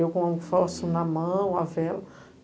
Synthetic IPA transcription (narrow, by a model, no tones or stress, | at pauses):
ewkõfɔsʊ̃nɐmɐ̃w̃ɐvɛlɐ